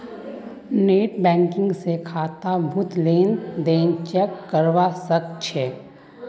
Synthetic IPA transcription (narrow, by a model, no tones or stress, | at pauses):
neːʈbɛ̃ːŋkɪ̃ŋɡsekʰaːt̪abʱʊt̪leːnd̪eːnt͡ʃɛkːəɾʋasəkt͡ʃʰeː